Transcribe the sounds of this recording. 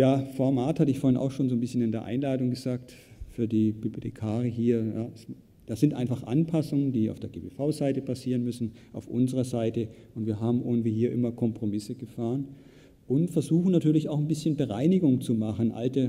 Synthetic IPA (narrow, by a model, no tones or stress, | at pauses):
jaːfɔɐmaːthatəɪçfoːɐɪnʔaʊxʃoːnzoːnbɪsçənɪndeːɐʔa̰ɪnlaːdʊŋɡəzaːk̚t | fyːɐdiːb̥ybotʰekʰaːʁiəɦiːɐjaːs | d̥aːz̥ɪntʔaɪnfaχʔa̰npʰasʊŋəndiːa̰ʊfd̥eːɐɡeːbeːfaʊzaɪtəpʰasiːʁənmʏsn̩ʔa̰ʊfʔʊ̰nzəʁɐzaɪtəʔʊntv̥iːɐɦaːbm̩ʔoːntv̥iːɦiːɐʔɪmɐkʰɔmpʁ̥omɪsəɡ̥əfaːʁən | ʔʊntfɛɐzuːxn̩natʰyːɐlɪçaʊxnbɪsçənbəʁaɪnɪɡʊŋt͡sumaχnʔa̰ltə